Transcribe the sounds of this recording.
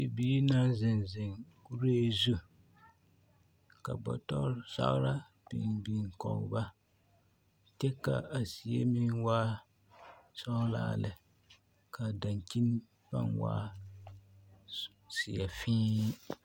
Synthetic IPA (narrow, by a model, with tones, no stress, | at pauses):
i˨biː˦na˦zɪ˨nzɪ˨ŋku˦ɾeː˦zu˦ | ka˨bɔ̰˨tɔ˦ɾsa̰˦ʔɾa˦ | b̥i˨nbi˨ŋ˨kɔ̰˨ʔba˦ | tɛ˦ka˨a˨si˨ja˦mi˦nwaː˦ | sɔ˦la̰ː˦lɨ˨ | ka˨da˨ŋki˦n˦ | ba̰˦nwa̰ː˦ | si˨ja˨fĩː˦